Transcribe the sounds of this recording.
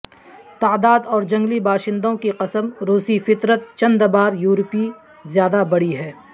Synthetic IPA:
t̪aːd̪aːd̪ɔːɾd͡ʒɐ̃ŋɡlibaːʃɪ̃nd̪õkiqɐsəmɾoːsifɪt̪ɾət̪̚t͡ʃɐ̃nd̪baːɾjuːɾpi | zjaːd̪abɐɽiɦɛː

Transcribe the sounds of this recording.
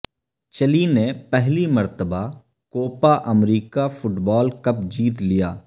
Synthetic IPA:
t͡ʃəlinepɛɦliməɾt̪əba | koːpaːʔəmɾiːkapʰʊʈbɔːlkɐpd͡ʒiːt̪lijaː

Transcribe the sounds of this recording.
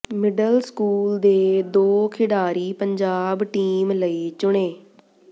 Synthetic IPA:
mɪɖəlskuːld̪eːd̪oːkʰɪɽaːɾiːpəɲd͡ʒaːbʈiːmləiːt͡ʃʊɽ̃eː

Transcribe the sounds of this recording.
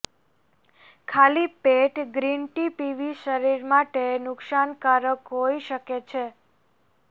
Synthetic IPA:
kʰalipeʈɡɾinʈipiʋiʃəɾiɾmaʈenʊkʃankaɾəkɦoiʃəket͡ʃʰe

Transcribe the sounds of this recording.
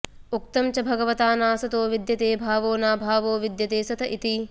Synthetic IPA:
uk̚t̪ɐmt͡ʃɐbʱɐɡɐʋɐt̪aːnaːsɐt̪oːʋid̪jɐt̪eːbʱaːʋoːnaːbʱaːʋoːʋid̪jɐt̪eːsɐt̪ɐʔit̪i

